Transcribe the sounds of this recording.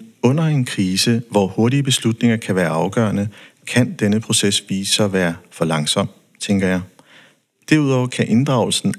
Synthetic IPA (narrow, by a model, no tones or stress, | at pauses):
ɔ̽n̰ɐe̝nkʰʁiːsəʋɒho̝ɐɾiəb̥e̝slud̥ne̝ŋɐkʰæʋæːɐɑ̈ʊɡ̥ɶ̰ɐnə | kʰænd̥enəpʰʁo̝sesʋiːsɐʋæːɐfɒ̽lɑ̈ŋsɒ̽m̰ | t͡sʰeŋɡ̥ɐjɑ̈ɪ | d̥æɐuð̞̰ˠɒʊ̰kʰæʔe̝nd̥ʁɑ̈ʊl̩sn̩